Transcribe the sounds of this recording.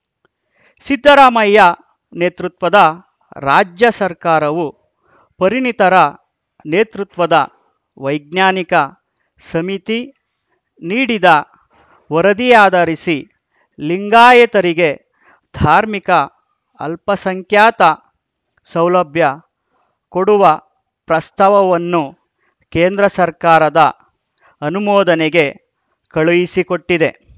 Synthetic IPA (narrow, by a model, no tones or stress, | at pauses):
sid̪ʱːɐɾaːmɐjːɐ | neːt̪ɾut̪ʋɐd̪ɐ | ɾaːd͡ʒjɐsɐɾkaːɾɐʋu | pɐɾinit̪ɐɾɐ | neːt̪ɾut̪ʋɐd̪ɐ | ʋɐjɡ̚njaːnikɐ | sɐmit̪i | niːɽid̪ɐ | ʋɐɾɐd̪ijaːd̪ɐɾisi | liŋɡaːjɐt̪ɐɾiɡe̞ | d̪ʱaːɾmikɐ | ɐ̰lpɐsɐŋkʰjaːt̪ɐ | sɐwlɐbʱjɐ | koɽuʋɐ | pɾɐst̪ʰɐʋɐʋɐnːu | keːnd̪ɾɐsɐɾkaːɾɐd̪ɐ | ɐnumɔːd̪ɐneɡe̞ | kɐɭujisikoʈːid̪e̞